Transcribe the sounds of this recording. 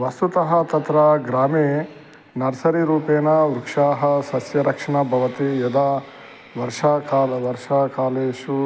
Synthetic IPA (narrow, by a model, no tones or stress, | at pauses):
ʋɐst̪ut̪ɐɦɐt̪ɐt̪ɾɐɡɾaːmeː | nɐɾsɐɾiɾuːpeːnɐuɾukʂaːɦɐsɐsjɐɾɐkʂɐɳɐbʱɐʋɐt̪ijɐd̪aː | ʋɐɾʃaːkaːʋɐɾʂaːkaːleːʃu